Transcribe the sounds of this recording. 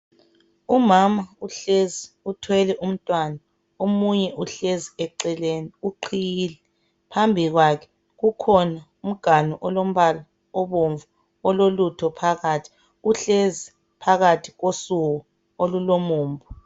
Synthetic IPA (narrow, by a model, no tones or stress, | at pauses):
umamauɬezi | utʰwɛlɛʔum̩tʼwana | omuɲɛʔuɬeziɛǀɛleniuǃʰijilɛ | pʰambʱiɣwakʰɛ̥ | ɣukʰɔna | um̩ɡ̥ʱanuʔɔlom̩βala | ɔβoɱvu | ɔlolutʰɔpʰaɣatʰi̥ | uɬezi | pʰaɣatʰi̥ɣosuɣɔ | olulomuːmbʱɔ